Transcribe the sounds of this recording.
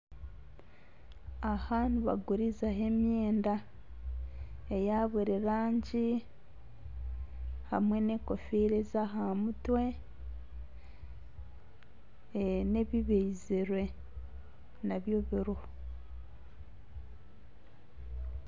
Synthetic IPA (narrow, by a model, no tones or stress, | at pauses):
ahaːnuβa̰ɡuɾizaɦe̞mjeːnda | ejaβiɾiɾaːɲɟi | ha̰mwe̞ne̞ko̞fiɾezaɦamutwe̞ | ne̞βiβeiziɾwe̞ | naβjo̞βiɾoho